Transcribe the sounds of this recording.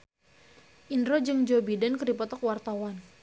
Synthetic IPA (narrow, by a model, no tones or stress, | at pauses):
ʔinɾod͡ʒɨŋd͡ʒobidankərdipɔt̪ɔkwart̪awan